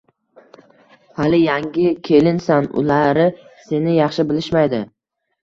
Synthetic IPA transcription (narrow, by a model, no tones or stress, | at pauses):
halɪjaŋɡʲɪkʲʰe̞lɪnsanʊ̰laɾɪse̞nɪjɑχʃɪbɪlɪʃmajd̪ɪ